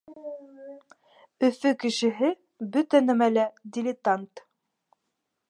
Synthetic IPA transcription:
ɵ̆fɵkɘ̆ʃɘ̆ɦɘ | bɵt̪ænæmælæd̪ʲɪlʲɪt̪ant̪

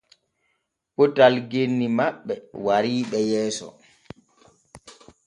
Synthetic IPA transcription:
pɔtalɡenːimaɓːɛwaɾiːɓɛjɛːsɔ̰

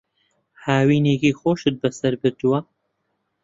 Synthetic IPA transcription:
haːwiːneːkiːxoːʃɨt̪̚bɐsɐɾbɨɾd̪uwɐ

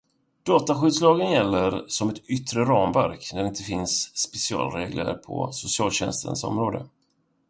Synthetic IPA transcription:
d̪̥ɑːt̪aɧʏ̟ːd̪slɑːɡənjɛlːəɾsɔmɛt̪ʏt̪ːɾəɾɑːmvæɾknæɖɛɪnt̪əfɪnsːpɛsɪɑ̰ːlɾeːɡlə̰ɾpʰɔ̰sʊsɪɑːlɕɛnst̪ʰə̰nsɔ̰mɾoːd̪ə̰

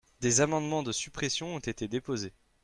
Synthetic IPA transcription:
d̪ezamɑ̃d̪mɑ̃d̪əsypχesjɔ̃ɔ̃t̪et̪ed̪epoze

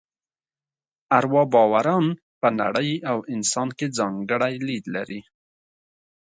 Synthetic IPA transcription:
aɾwɑbɑwaɾɑn | pəna̰ɽəjawɪnsɑnked͡zɑŋɡəɽajlid̪la̰ɾi

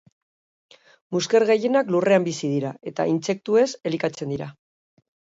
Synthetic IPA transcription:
muskeɾɣeje̞naklure̞ambisið̞iɾae̞t̪a̰ʔint͡se̞k̚t̪ue̞se̞likat͡se̞nd̪iɾa

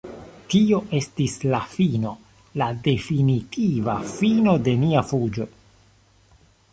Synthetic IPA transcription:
tio̞ʔe̞stislafino̞ | lade̞finitʰivafino̞de̞miafud͡ʒo̞

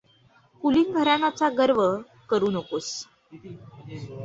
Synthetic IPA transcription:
kuliŋɡʱəɾanat͡saɡəɾʋə | kəɾuːnəkos

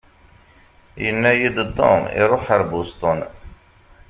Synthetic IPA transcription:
jənːæjid̪t̪ˤːo̰mḭɾˤʊħəɾbust̪ˤon

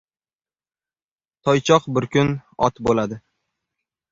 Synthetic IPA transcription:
t̪ʰɒjt͡ʃʰɒqbɪɾkʲʰʊnɒ̰t̪bolad̪ɪ

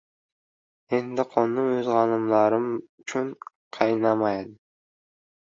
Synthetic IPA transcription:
end̪ɪqʰonːuøzʁɑnɯmlˠɑɾɯm | t͡ʃʰyɴ | qʰɑjnɑmɑjd̪

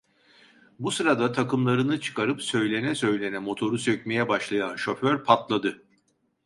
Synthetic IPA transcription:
busɯɾad̪at̪ʰakɯmlˠaɾɯnɯt͡ʃʰɯ̥kʰaɾɯpsø̞jlʲe̞nɛsø̞jlʲe̞nɛmo̞t̪ʰo̞ɾusøcʲme̞jɛbaʃlˠajanʃo̞føɾpʰat̪lˠad̪ɯ

